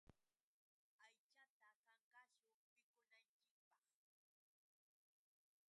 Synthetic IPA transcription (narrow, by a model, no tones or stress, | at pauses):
ajt͡ʃat̪akaŋkaʃʊpɪkʊnant͡ʃɪk̚pɑχ